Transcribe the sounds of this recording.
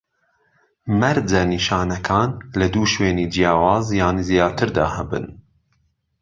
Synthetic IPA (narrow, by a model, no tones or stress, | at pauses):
mɛɾd͡ʒɛniːʃɑːnɐkʰɑːnlɐd̪uːʃweːniːd͡ʒijɑːwɑːzjɑːniːzijɑːt̪ʰɨɾd̪ɑ̰ːhɛbɨ̰n